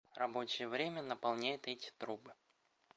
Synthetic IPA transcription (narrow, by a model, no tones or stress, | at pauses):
rɐbo̞t͡ɕɪjəvɾʲemʲənəpɐlˠnʲæjʊt̪ɛtʲɪ̥t̪ɾubɨ